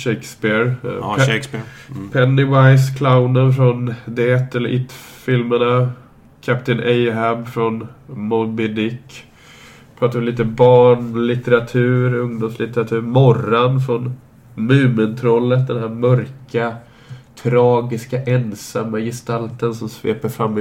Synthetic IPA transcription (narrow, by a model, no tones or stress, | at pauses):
ʃekspɪɾ | spʰɛnːɪvaɪskʰlaʊnənfɾɔnd̪ɛɛt̪ːɛləɾʔɪt̪fɪlməɳa | kʰapt̪ɪnɛjɦabfɾɔnmɔbɪd̪ɪkː | pʰɾɑːt̪aɾɔmliːt̪əbɑːɳlɪt̪əɾat̪ʰʉ̟ːɾɵŋd̪ʊmslɪt̪əɾat̪ʰʉ̟ːɾmɔranfɾɔn | mʉ̟ːmənt̪ʰɾɔlːət̪̚d̪ɛnhæːɾmœɾka | t̪ʰɾɑːɡɪskaʔɛnsamːajɪst̪alt̪ənsɔmsvḛːpəɾfɾamː